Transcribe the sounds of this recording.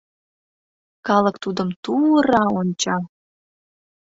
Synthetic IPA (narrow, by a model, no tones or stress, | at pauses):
kɑləkt̪ud̪əmt̪uɾɑonʲt͡ɕɑ